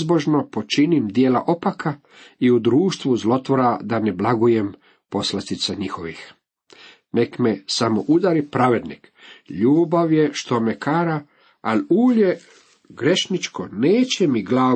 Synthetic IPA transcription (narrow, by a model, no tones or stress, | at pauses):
zbo̞ʒno̞po̞t͡ʃinimd̪jeːla̰ʔo̞pakʰa | iud̪ɾuːʃt̪ʋuzlˠo̞t̪ʋo̞ɾad̪ane̞blaɡujem | po̞slast̪it̪saɲixo̞ʋix | nekmesamoʔud̪aɾipɾaʋe̞d̪nik | ʎuːbaʋje̞ʃt̪omekaːɾa | aluːʎe | ɡɾe̞ʃnit͡ʃkoneːt͡ɕemiɡlaː